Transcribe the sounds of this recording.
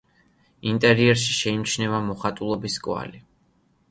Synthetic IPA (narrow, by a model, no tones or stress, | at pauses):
int̪ʼɛɾiɛɾʃiʃɛimt͡ʃʰnɛvamɔχat̪ʼulˠɔbiskʼwa̰li